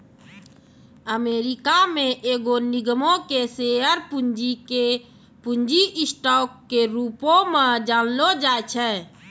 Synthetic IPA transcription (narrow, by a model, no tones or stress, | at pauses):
əmeːɾikamẽʔeːɡoniɡmõkeseəɾpud͡ʒike | pund͡ʒiʔɪsʈɔːkːeɾuːpõmẽd͡ʒanlod͡ʒaːt͡ʃʰɛ